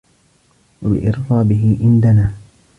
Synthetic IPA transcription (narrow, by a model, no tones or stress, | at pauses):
wabɪ̰ʔɪɾfaːbɪɦɪʕɪnd̪anaː